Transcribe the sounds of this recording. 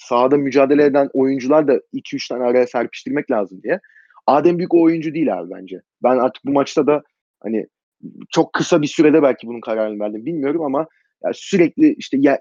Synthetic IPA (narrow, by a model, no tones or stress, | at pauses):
sad̪amyd͡ʒaːd̪e̞lʲeed̪æno̞jund͡ʒulˠaɾd̪ailcʰiyt͡ʃt̪ʰanaɾajasæɾpʰi̥ʃt̪ʰiɾmɛclʲaːzɯmd̪ijɛ | aːd̪ɛmbyjycoːjund͡ʒud̪iːlʲæ̰ːvbæ̰nd͡ʒɛ | bænaɾt̪ʰɯ̥k̚bumat͡ʃt̪ʰad̪a | ha̰nɪ̰ | t͡ʃʰo̞kʰːɯsabisyɾɛd̪ɛbælʲcʰibununkʰaɾaːɾɯnɯvæɾd̪imbilʲmijo̞ɾumama | ja̰ːsyɾɛclʲiʔiʃt̪ʰɛjæ